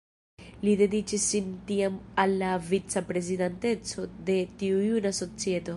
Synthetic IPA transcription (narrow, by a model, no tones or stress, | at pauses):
lide̞dit͡ʃisintiamalːavit͡sapɾe̞zidante̞t͡so̞de̞tiujunaso̞t͡sie̞to̞